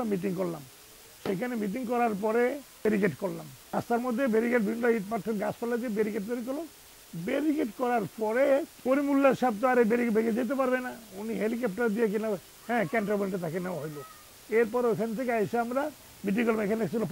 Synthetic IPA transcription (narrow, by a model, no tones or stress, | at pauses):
miʈ̬iŋkoɾlam | ʃekʰanemiʈ̬iŋkɔɾaɾpɔɾebeɾikeʈkoɾlamast̪ʰaɾmod̪ʱːebeɾikeʈ̚biinɖoiʈ̚paʈʰːeɾɡaspalad̪iebeɾikeʈ̚d̪oɾikolo | beɾikeʈkɔɾaɾpɔɾepoɾimulːaɾʃab̚t̪oaɾebeɾibeɡed͡ʑajt̪̬epaɾbenauniɦelik̬ep̚ʈaɾd̪ijek̬ina | hɛ̃ːkɛɳʈɾabenʈet̪ʰakenewaɦojlo | eɾpɔɾeekʰanet̪ʰekeajseamɾa | miʈiŋkɔɾlamekʰaneslop